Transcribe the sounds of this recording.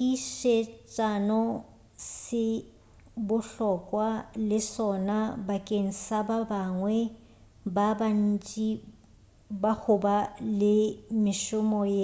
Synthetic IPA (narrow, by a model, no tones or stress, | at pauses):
kʼiʃet͡ʃʼanɔ | sɪ | bʊɬɔkʼwalɪsɔnabakʼeŋ̩sababaŋwɛ | baban̩t͡ʃʼi | bahʊbalɪmɪʃʊmɔje